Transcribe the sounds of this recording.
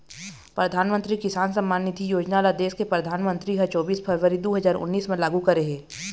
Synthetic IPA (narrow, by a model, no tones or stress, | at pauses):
pɾɐd̪ʱaːnmə̃nt̪ɾikɪsaːnsɐ̃mːaːnːɪt̪ʰijoːd͡ʒnalad̪eːʃkepɾɐd̪ʱaːnmə̃nt̪ɾikɐt͡ʃɔːbiːspʰɐɾʋəɾid̪oːɦɐzaːɾʊ̰nːiːsmẽlaːɡukɐɾeɦɛː